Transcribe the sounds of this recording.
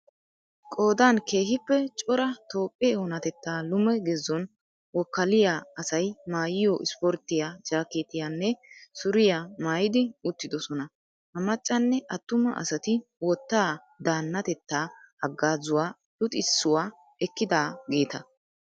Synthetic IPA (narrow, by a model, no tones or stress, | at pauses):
kʼo̞ːd̪aːnke̞ːɦɪpːɛt͡ʃʼɔɾɐt̪o̞ːpʼːeːwɔnɐt̪ɛt̪ːaːlʊmɛɡɛzːɔn | wɔkːɐlɪjaːɐsɐjmaːjɪjɔʔɪ̰spɔɾt̪ːɪjad͡ʒaːkeːt̪ɪjanːɛsʊɾɪjamaːjɪd̪ɪʊt̪ːɪd̪ɔsɔnɐ | hɐmɐt͡ʃʼːɐnːɛʔɐt̪ːʊmɐ̰ʔɐ̰sɐt̪ɪwɔt̪ːaː | d̪aːnːɐt̪ɛt̪ːaːhɐɡːaːzʊwaː | lʊt̪ʼɪsːʊwaː | ɛkːɪd̪aːɡe̞ːt̪ɐ